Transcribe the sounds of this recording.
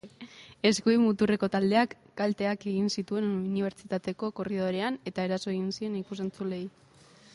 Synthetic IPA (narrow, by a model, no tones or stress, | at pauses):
e̞skuimut̪ure̞ko̞t̪ald̪e̞akːalt̪e̞ake̞ɣinsit̪ue̞nniβ̞e̞ɾt͡ʃit̪at̪e̞ko̞ko̞riðo̞ɾe̞ane̞t̪ae̞ɾaso̞eɣinsie̞nikus̬e̞nt͡sule̞j